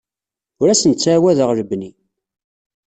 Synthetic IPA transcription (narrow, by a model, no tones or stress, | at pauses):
ʊɾæsənt͡sːwæðəʁɾəbni